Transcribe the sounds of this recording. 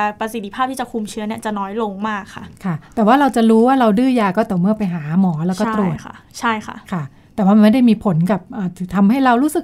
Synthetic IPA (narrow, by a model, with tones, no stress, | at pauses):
pɾa˧si˨˩t̪ːi˦pʰaː˥˩t̪iː˥˩t͡ɕa˨˩kʰu˧mt͡ɕʰɯː˦˥ni˥˩ɐt͡ɕa˨˩nɔː˦˥jlo˧ŋmaː˥˩kʰːa̰˥˩kʰa˥˩t̪ɛː˨˩waː˥˩ɾa˧wt͡ɕa˨˩ɾuː˦˥waː˥˩ɾa˧wdɯː˥˩jaː˧kɔː˥˩t̪ɛː˨˩mɯ˥˩ɐpa˧jɦaː˩˦mɔː˩˦lɛː˦˥wkɔː˥˩t̪ɾu˨˩əa˥˩t͡ɕʰa˥˩jkʰa̰˥˩kʰa˥˩ | t̪ɛː˨˩waː˥˩a˧ma˥˩jda˥˩jmiː˧pʰo˩˦nka˨˩p̚ʔəː˨˧˩t̪ʰt̪ʰa˧mɦa˥˩jɾa˧wɾuː˦˥sɯ˨˩k